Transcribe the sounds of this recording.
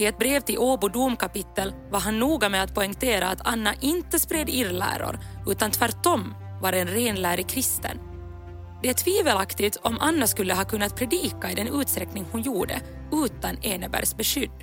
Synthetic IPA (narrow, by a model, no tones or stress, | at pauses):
ɪɛt̪̚bɾeːvt̪ɪlʔoːbʊd̪uːmkʰapɪt̪ːəlvaɾɦanːuːɡamɛat̪̚pʰɔɪŋkt̪ʰeːɾaːt̪ʰanːaʔɪnt̪əspɾed̪ɪɾlæ̰ːɾʊ̰ɾ | ʉ̟ːt̪ant̪ʰvæɾʈːɔm | vaɾɛnɾeːnlæːɾɪkʰɾɪst̪ə̰n | d̪ɛæʈʰviːvəlakt̪ɪt̪ʰɔmʔa̰nːaskɵlːəɦɑːkɵnːat̪̚pʰɾɛd̪iːkaɪd̪ɛnʉ̟ːt̪st̪ɾɛknɪŋhʊnjuːɖə̰ | ʉ̟ːt̪aneːnəbæ̰ɾsbɛʂʏd̪ː